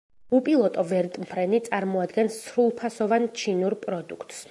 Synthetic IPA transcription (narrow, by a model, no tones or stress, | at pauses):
upʼilˠɔt̪ʼɔvɛɾt̪ʼmpʰɾɛnit̪sʼaɾmɔad̪ɡɛnsːɾulˠpʰasɔvant͡ʃʰinuɾpʼɾɔd̪ukʰt̪ʼs